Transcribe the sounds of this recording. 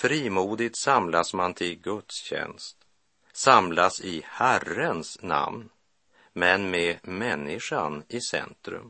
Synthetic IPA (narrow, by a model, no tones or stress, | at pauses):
fɾiːmuːd̪ɪt̪samlasmant̪ʰɪlɡɵt̪sɕɛ̰nst̪ | samlasɪhærənsna̰mn | mɛnmemɛnːɪʂanɪsɛ̰nt̪ɾɵ̰m